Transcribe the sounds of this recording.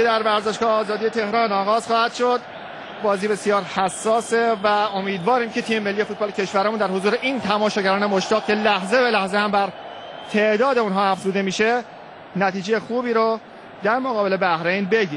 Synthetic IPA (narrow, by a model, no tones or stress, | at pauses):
ed̪æɾvæɾzeʃɡ̥ɒːheɒːzɒːd̪iːje̞t̪ʰe̞hɾɒːnɒːɣɒːz̥xɒːhæd̪̥ʃod̪ | bɒːziːbe̞sijɒːɾhæsːɒːsevæo̞miːd̪vɒːɾiːmcʰe̞t̪ʰiːmemelːije̞fuːt̪̚bɒlecʰe̞ʃvæɾæmund̪æɾhozuːɾeʔiːnt̪ʰæmɒːʃɒːɟæɾɒːnemoʃt̪ɒːɣcʰe̞læhze̞belæhzehæmbæɾ | t̪ʰe̞ʔd̪ɒːd̪eunɦɒːæfzuːd̪e̞miːʃe̞ | næt̪iːd͡ʒejexuːbiːɾo | d̪æɾmoɣɒːbe̞lebæhɾe̞jnbe̞ɟiː